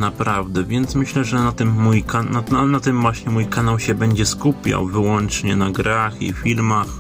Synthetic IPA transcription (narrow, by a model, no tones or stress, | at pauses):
napɾavd̪ɛvʲjɛnt̪smɘɕlɛʐɛnat̪ɘmːujkanaanat̪ɘmvwaɕɲɛmujkanawɕɛbɛɲd͡ʑɛskupʲja̰wvɘwɔnt͡ʂɲɛnaɡɾaxḭfʲilmax